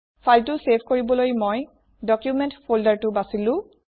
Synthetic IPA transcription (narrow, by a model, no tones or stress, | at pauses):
pʰaltʊsepʰkoɹibɔlojmoj | dɔkjumɛntfoldaɹtʊbasilʊ̃